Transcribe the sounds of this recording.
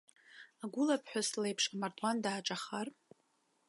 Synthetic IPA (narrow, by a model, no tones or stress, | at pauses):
aɡʷʊlapʰħʷᶣaslejpʰʂamartʼwandaːʈ͡ʂʼaχar